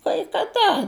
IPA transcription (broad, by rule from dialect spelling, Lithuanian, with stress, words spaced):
kɐɪ kɐˈdɐ